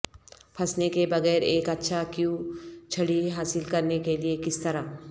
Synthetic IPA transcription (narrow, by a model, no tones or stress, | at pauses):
pʰɐsnekebɐɣɛːɾeːkɐtːʃʰakjũt͡ʃʰɐɽiɦaːsɪlkɐɾnekeliekɪst̪ɐɾaː